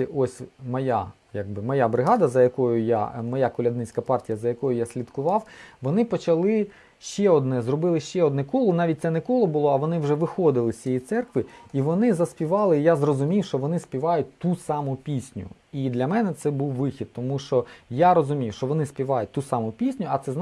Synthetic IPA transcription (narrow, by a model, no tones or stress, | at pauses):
iɔsʲmɔja̰ | jaɡ̚bɪmɔjabɾɪɦɑd̪ɐzɐjɐkɔjʊja̰mɔjakʊlʲɐd̪nɪt͡sʲkɐpɑrtʲijɐzɐjɐkɔjʊjasʲlʲit̪kʊʋɑwʋɔnɪpɔt͡ʃɐlˠɪ | ʃt͡ʃɛɔd̪nɛzrɔbɪlˠɪʃt͡ʃɛɔd̪nɛkɔlˠɔnɑʋʲit̚ʲt̪sɛnɛkɔlˠɔbʊlˠɔɐʋɔnɪwʒɛʋɪxɔd̪ɪlˠɪsʲijit̪sɛrkʋɪiʋɔnɪzɐspʲiʋɑlˠɪjazrɔzʊmʲiwʃt͡ʃɔʋɔnɪspʲiʋɑjʊt̚ʲt̪usɑmʊpʲisʲnʲʊ̰ | id̪lʲɐmɛnɛt̪sɛbuwʋɪxʲid̪̚t̪ɔmuʃt͡ʃɔjaɾɔzʊmʲiwʃt͡ʃɔʋɔnɪspʲiʋɑjʊt̚ʲt̪usɑmʊpʲisʲnʲʊɐt̪sɛzn